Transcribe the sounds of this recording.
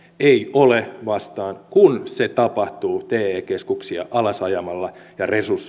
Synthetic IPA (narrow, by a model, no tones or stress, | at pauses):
eiʔoleʋɑst̪ɑːŋkunset̪ɑpɑht̪uːt̪eːeːkeskuksiɑ̰ʔɑlɑsɑjɑmɑlːɑjɑresurs